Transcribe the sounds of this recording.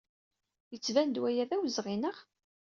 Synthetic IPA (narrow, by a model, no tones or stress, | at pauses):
jət͡sːvænd̪wæjæðæwzʁinəʁ